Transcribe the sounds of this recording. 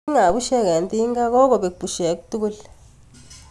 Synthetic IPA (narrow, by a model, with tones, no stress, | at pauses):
ŋa˨βu˦ʃɛ˦ke˨nt̪i˦ŋɡa˦kɔ˦kɔ˨ɓe˨ku˨pu˨ʃe˨ku˦t̪u˦ku˦l